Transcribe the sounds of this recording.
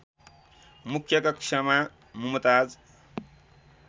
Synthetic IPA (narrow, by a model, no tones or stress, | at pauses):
mukʰjʌkɐkʂama | mumt̪ad͡z